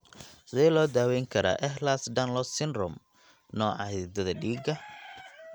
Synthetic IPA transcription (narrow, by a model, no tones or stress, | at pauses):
sɪɛlɔːd̪aːwɛjŋkʰɐɾa̰ːʔɛɦlasɖɐnlɔsɪnrɔm | nɔːʕɑid̪ɐðɐɖiːɡɐ